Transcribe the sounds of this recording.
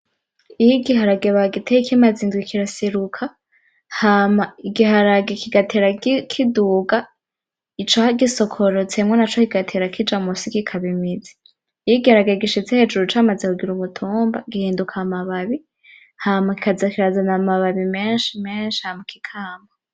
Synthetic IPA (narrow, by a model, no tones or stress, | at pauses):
ijiɡiɦaɾaɡeβaɡitʰeikʰimaziːŋɡwikʰiɾaseɾukʰa | hamaiɡihaɾaɡekiɡatʰeɾaɡkʰiduːɡa | it͡ʃohaɡisokʰoɾot͡semŋonat͡ʃokiɡatʰeːɾakʰid͡ʒamusikikʰaβimizi̥ː | jiɡihaɾaɡeɡiʃet͡sehed͡ʒuɾut͡ʃamazekuɡiɾuβutʰuːmba̰ɡihiːndukʰamaβaβi | hamaki̥kazakiɾazanamaβaβimeːnʃimeːnʃi̥hamaki̥kʰaːmba